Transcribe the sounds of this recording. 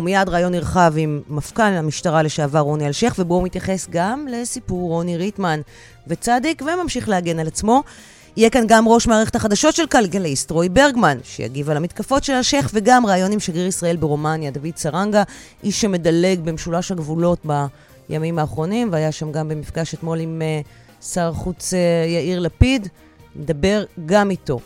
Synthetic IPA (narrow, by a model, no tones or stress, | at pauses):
umijadʁaːjo̞nːiʁχavimːafkanamiʃtaʁale̞ʃeavaʁo̞nialʃe̞χvebo̞umit̪jaχe̞sɡamle̞sipuʁːo̞niʁitman | ve̞t͡sadikvemamʃiχlehaɡe̞nalat͡smo̞ | ijekanɡamʁo̞ʃmaːʁeχe̞t̪haχadaʃo̞tʃe̞lkalɡeleistʁo̞jbe̞ʁɡmanʃeja̰ɡivalhamitkafo̞tʃelaʃe̞χveɡamʁaːjo̞nimʃaɡiʁisʁɐe̞lbeʁomanjad̪avid̚t͡saʁanɡaʔiʃːeme̞dale̞ɡbemʃulaʃhaɡvulo̞tba | jʔa̰mimhaːχʁo̞nimveajaʃamɡambe̞mifɡaʃet̪mo̞lime | saʁχut͡sejaiʁlapid | med̪abe̞ʁɡamito̞